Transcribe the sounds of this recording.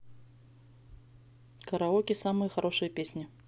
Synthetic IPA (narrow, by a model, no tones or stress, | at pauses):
kəɾaɔkʲisamɨjəxaɾʔoʂɨjəpʲesʲnʲɪ